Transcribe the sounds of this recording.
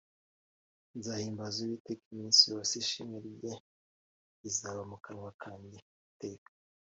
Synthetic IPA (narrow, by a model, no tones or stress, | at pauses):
nzahiːmbazuβitekiminsijosiʃimeɾɟe | izaβamukaɾwakʰaːɲde | teːkḁ